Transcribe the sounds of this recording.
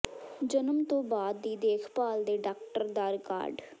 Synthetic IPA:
d͡ʒənəmt̪õːbaːd̪ːiːd̪eːkʰpaːld̪eːɖaːkʈəɾd̪aːɾka̰ːɾɖ

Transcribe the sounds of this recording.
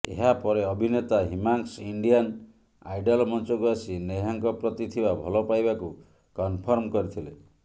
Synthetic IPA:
ḛɦapɔɾeɔbʱinet̪aɦimaŋksiɳɖian | ajɖalɔmɔnt͡ʃɔkuasineɦaŋkɔpɾɔt̪it̪ʰibabʱɔlɔpajbaku | kɔnpʰɔɾmkɔɾit̪ʰile

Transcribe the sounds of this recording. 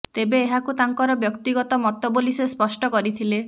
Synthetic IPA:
t̪ebeːɦakut̪aŋkɔɾɔbjɔkt̪iɡɔt̪ɔmɔt̪ɔbolisespɔsʈɔkɔɾit̪ʰile

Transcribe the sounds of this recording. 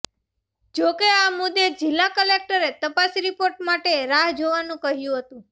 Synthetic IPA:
d͡ʒokeamʊd̪ed͡ʒɪlːakəlek̚ʈəɾet̪əpasɾipoɾʈmaʈeɾaɦd͡ʒoʋanũkəɦjũɦət̪ũ

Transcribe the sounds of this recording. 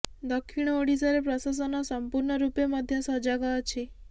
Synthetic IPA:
d̪ɔkʰːiɽ̃ɔoɽisɔɾepɾɔsas̬ɔnɔsɔmpuɾɳɔɾupemɔd̪ʱjɔsɔd͡ʒaɡɔɔt͡ʃʰi

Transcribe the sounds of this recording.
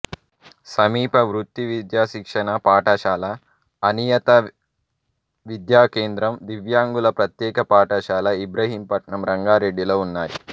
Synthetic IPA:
sɐmiːpɐʋɾut̪ːiʋid̪jaːʃikʂɐɳɐpaːʈɐʃaːlɐː | nijɐt̪ɐ | ʋid̪jaːkeːnd̪ɾɐmd̪iʋjaːŋɡulɐpɾɐt̪jɛːkɐpaːʈɐʃaːlɐibɾɐɦiːmpɐʈɳɐmɾɐŋɡaːɾe̞ɖːiloːunːaːjḭ

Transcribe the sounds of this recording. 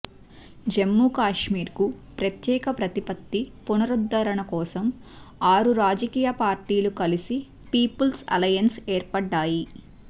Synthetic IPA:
d͡ʒemːuːkaːʂmiːɾkupɾɐt̪jɛːkɐpɾɐt̪ipɐt̪ːipunɐɾud̪ːɐɾɐɳɐkɔːsɐmaːɾuɾaːd͡ʒɐkiːjɐpaːɾʈiːlukɐlisi | piːpulsɐ̰lɐjɐnseːɾpɐɖːaːji

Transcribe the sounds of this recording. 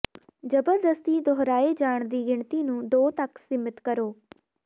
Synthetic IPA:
d͡ʒəbəɾd̪əst̪iːd̪oɦɾaːed͡ʒaːɳ̃d̪iːɡɪɳt̪iːnũːd̪oːt̪əksɪmɪt̪kəɾoː

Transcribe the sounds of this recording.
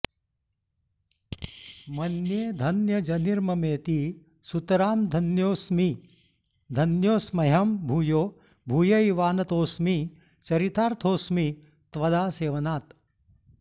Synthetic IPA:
mɐnjeːd̪ʱɐnjɐd͡ʒɐniɾmɐmeːt̪i | sut̪ɐɾaːmd̪ʱɐnjoːsmi | d̪ʱɐnjoːsmɐɦɐmbʱuːjoː | bʱuːjɐiʋaːnɐt̪oːsmi | t͡ʃɐɾit̪aːɾt̪ʰoːsmi | t̪ʋɐd̪aːseːʋɐnaːt̪

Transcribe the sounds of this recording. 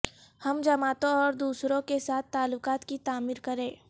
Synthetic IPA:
hɐmd͡ʒɐmaːt̪õɔːɾd̪uːsɾõkesaːt̪ʰːaːlːʊkaːt̪kit̪aːmiːɾkɐɾẽː

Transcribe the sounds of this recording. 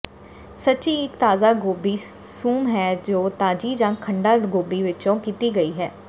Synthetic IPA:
sətːt͡ʃiːɪkt̪aːzaːɡoːbiː | suːmɦɛːd͡ʒoːt̪aːd͡ʒiːd͡ʒãːkʰəɳɖaːɡoːbiːʋɪt͡ʃõːkiːt̪iːɡəiːɦɛː

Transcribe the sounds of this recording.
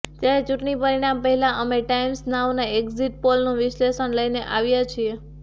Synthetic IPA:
t̪jaɾet͡ʃuʈɳipəɾiɽ̃ampəɦɛlaʔəmeʈaimsnaʋnaekziʈ̚polnũʋɪʃleʃənləjneʔaʋjat͡ʃʰie

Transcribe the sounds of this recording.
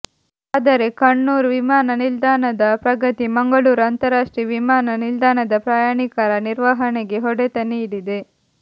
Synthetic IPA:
aːd̪ɐɾe̞kɐɳːuːɾʋimaːnɐnild̪aːnɐd̪ɐpɾɐɡɐt̪imɐŋɡɐɭuːɾɐnt̪ɐɾaːʂʈɾiːʋimaːnɐnild̪aːnɐd̪ɐpɾaːjaːɳikaɾɐniɾʋaɦɐneɡe̞ɦɔɽet̪ɐniɽid̪e

